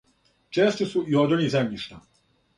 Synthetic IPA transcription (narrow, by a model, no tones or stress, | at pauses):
t͡ʃɛst͡ʃusujɔːd̪ɔnizɛmniʃt̪ʰa